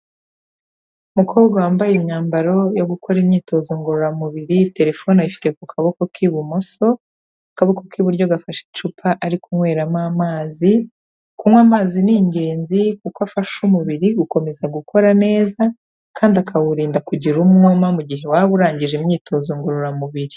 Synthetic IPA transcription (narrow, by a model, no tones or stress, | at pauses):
umukʰo̞ːbɡawaːmbajemɲaːmbaɾo̞jo̞ɡukʰo̞ɾimɲiːto̞zoŋɡoɾoɾamuβiɾite̞ɾefo̞naifi̥te̞kukʰaβo̞ko̞kiβumo̞so̞ | akaβo̞ko̞kiβuɾɟo̞ɡafaʃe̥t͡ʃupʰaʔaɾikumwe̞ːɾamaːmaːzi | kuŋwaːmaːziniɲɟe̞ːnzikukafaʃumuβiɾiɡuko̞me̞zaɡukʰo̞ɾane̞ːza | kʰaːndiakʰawuɾiːndakuɟiɾumŋomamuɟiɦe̞waβuɾaːɲɟiʒemɲiːtʰo̞ːzoŋɡoɾoɾamuβiɾi